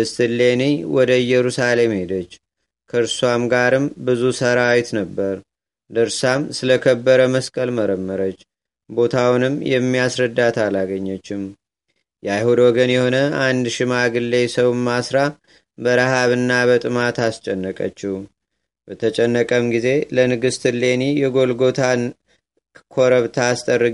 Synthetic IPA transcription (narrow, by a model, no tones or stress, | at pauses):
ɨst̪ɨlːeniwɔd̪əjɛɾusale̞mhe̞d̪ət͡ʃː | kʰəɾswamɡaɾɨmbɨzusəɾawit̪nəbːəɾ | d̪əɾsamsɨləkʰəbːəɾəməskʼəlməɾəmːəɾət͡ʃː | bo̞t̪ʰawnɨmːjɛmːiasɾəd̪ːat̪ʰalaɡəɲːət͡ʃːɪm | jajhud̪wɔɡənjɛho̞nəand̪ʃɪmaɡɨlːe̞səwmːasɾa | bəɾahaβɨnːabət̪ʼɨmat̪ast͡ʃʼɛnːəkʼə̰t͡ʃːu | b̥ət̪ʰət͡ʃʼɛnːəkʼəmɡize̞lənɨɡɨst̪ʰɨle̞nijɛɡo̞lɡo̞t̪ʰa | kʰo̞ɾəβt̪ʰaːst̪ʼərːɨ